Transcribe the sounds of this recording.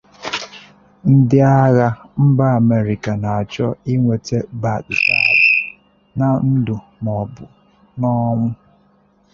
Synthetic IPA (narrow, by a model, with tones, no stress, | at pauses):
n̩˦dɪ˦a˦ɣa˦m̩˦ba˦a˨me˨ɾi˨ka˨na˨a˨t͡ʃɔ˦i˦ŋʷe˨te˦ba˨dʊ˨ta˦˨dɪ˨ | na˨n̩˦dʊ˨ | nɔ˨bʊ˨ | nɔ˦mʊ˦